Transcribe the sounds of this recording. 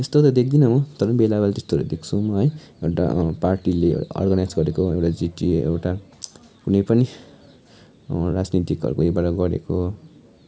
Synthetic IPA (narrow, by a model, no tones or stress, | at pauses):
est̪ot̪ʌd̪ek̚ʰd̪inʌmʌt̪ʌɾʌbelabalt̪est̪oɾḛd̪ekʰt͡sʰumʌɦʌj | ewʈa̰parʈilḛʌ̰rɡʌnajd͡zɡʌɾekoewʈad͡ziʈiḛwʈa | kunʌjpʌni | rad͡znit̪ikʌ̰ɾukoebaʈʌɡʌɾḛko